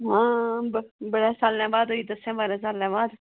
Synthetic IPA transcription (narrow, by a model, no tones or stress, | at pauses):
ɦãːbbəɽɛːsaːlːɛ̃ːbaːd̪ɦoːiːd̪əsɛ̃ːbaːɾɛ̃ːs̬aːlːɛ̃ːbaːd̪